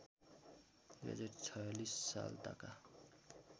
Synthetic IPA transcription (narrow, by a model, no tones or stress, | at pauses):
ɡɛ̰d͡zeʈt͡sʰʌlisːa̰lta̰ka